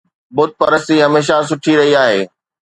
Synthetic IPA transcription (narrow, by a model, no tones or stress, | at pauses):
bʊd̪̚pɐɾəst̪iɦɐmeːʃ̬as̬ʊʈʰiɾɐɦiaːɦeː